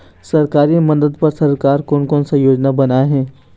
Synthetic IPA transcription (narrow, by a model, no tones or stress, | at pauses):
sɐɾkaːɾimɐd̪əd̪pɐɾsɐɾkaːɾkʊnkɔ̃ːnsajoːd͡ʒnabɐnaːeɦɛ̃ː